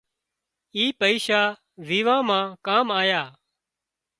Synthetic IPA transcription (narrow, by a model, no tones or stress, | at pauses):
iːpəiːʃaː | ʋiːʋãːmãːkaːmaːjaː